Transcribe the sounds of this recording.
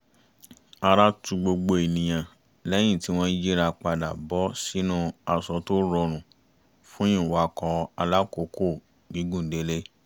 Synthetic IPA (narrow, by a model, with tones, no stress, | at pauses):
a˧ɾa˦tu˧ɡ͡bo˧ɡ͡bo˧e˨nĩ˨j̃ã˨ | lɛ˦j̃ĩ˦˨ti˨˦w̃ɔ̃˦i˦d͡ʒi˦ɾa˧k͡pa˧da̰˨bɔ˨˦si˦nũ˦a˧sɔ˧to˦ɾɔ˧ɾ̃ũ˨ | fũ˦ĩ˦˨wa˨˦kɔ̃˧a˧la˦ko˨˦ko˦˨ | ɡi˨˦ɡũ˦n̩˨de˨˧˦le˦